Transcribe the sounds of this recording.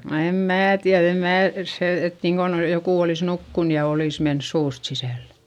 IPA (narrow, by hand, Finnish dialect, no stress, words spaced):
no em mæː tiæð em mæː se et niːŋkon jokuˑ oliˑs nukːun jɑ oliˑs mens suːst sisæˑlːe̥